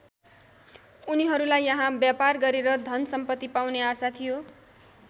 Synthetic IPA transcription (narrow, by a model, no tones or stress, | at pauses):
uniɦʌɾulajːʌɦãbjaparɡʌɾeɾʌd̪ʱʌnsʌmpʌt̪ːipawneasat̪ʰijo